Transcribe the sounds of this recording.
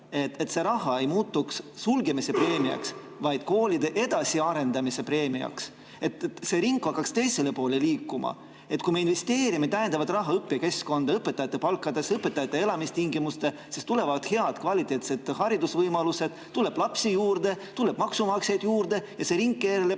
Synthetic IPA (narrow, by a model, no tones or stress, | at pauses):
e̞t̪et̪se̞ɾɑɦɑe̞jmuːt̪ːukssulɡe̞mise̞pɾe̞ːmiɑ̰ks | vɑjd̪̥ko̞ːlid̪e̞ʔe̞d̪̥ɑsiɑɾe̞nd̪ɑmise̞pɾe̞ːmiɑ̰ks | e̞t̪se̞ɾiŋkːhɑkːɑkst̪e̞jse̞le̞po̞ːle̞liːkˑːumɑ̰ | e̞t̪kujmeinve̞st̪e̞ːɾimit̪ːæjend̪ɑvɑd̪rɑɦɑɤpːiɑke̞sko̞nd̪ɑɤpːet̪ːˑɑjɑt̪ːˑepɑlkːˑɑd̪e̞sɤpːe̞t̪ːɑjɑt̪ːˑe̞e̞lɑmist̪iŋɡimust̪e̞ | sist̪ule̞vɑd̪̥he̞ɑd̪̥kvɑlit̪ːˑe̞ːt̪se̞d̪hɑɾid̪usvɤjmɑluse̞d̪̥t̪ːulːe̞b̥lɑpsijuːɾd̪e̞t̪ːulːe̞b̥mɑksumɑkse̞jd̪̥juːɾd̪e̞jɑse̞ɾiŋkːeːɾele